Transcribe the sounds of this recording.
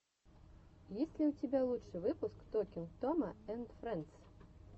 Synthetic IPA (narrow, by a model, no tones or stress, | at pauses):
jɛsʲlʲiwt͡sʲabʲɛlˠutʂɨvɨpuskt̪ɔkʲinkt̪ɔmɐɛnd̪fɾɛnt̪s